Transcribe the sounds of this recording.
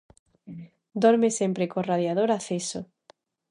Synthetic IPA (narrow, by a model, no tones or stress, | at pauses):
d̪oɾmesempɾekoraðjað̞oɾaθeso